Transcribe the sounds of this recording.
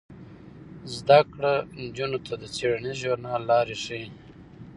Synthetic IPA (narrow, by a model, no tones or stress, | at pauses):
zd̪akɽand͡ʒunot̪ʰad̪ət͡seɽniʒoɾnɑːlːɑːɾiʂi